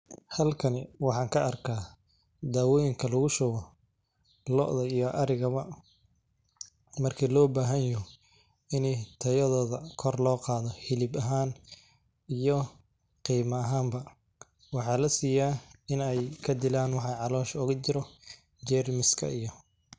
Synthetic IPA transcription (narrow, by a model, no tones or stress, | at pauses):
hɐlkʰɐnɪwɑħɑːŋkʰɐʔɐrkʰaː | d̪aːwɔːjɪŋkʰɐlɐɣʊʃɔɣɔ | lɔʔðɐijɔʔɐɾɪɣɐβɐ | mɐrkʰiːlɔːbaːɦɐnjʊ | ɪnit̪ʰɐjɐðɔːðɐkʰɔrlɔːqɑːðɔhɪlɪbɐɦaːn | ijɔ | qiːmɐːɦaːmbɐ | wɑħɑːlɐsiːjaːɪnɛjkʰɐd̪ɪlaːnwɑħɑjʕɑlɔːʃʊɣʊt͡ʃɪɾɔ | d͡ʒɛːrmɪskʰɐ̰ijɔ